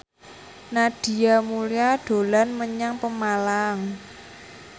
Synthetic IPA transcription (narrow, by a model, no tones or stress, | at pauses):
naɖ̥i̤amuliaɖ̥o̤lanməɲaŋpəmalaŋ